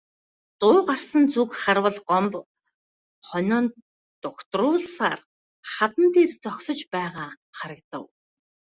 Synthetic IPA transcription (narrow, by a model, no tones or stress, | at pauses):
t̪ʊːɢar̥sə̆nt͡sukχarwə̆ɮɢɔmp | χɔnʲɔːn | t̪ʊkt̪rʊːɮsa̰ːr | χat̪ə̆nt̪ʰert͡sɔksɞ̆t͡ɕpæːʁaː | χaɾə̆kt̪ə̰̆w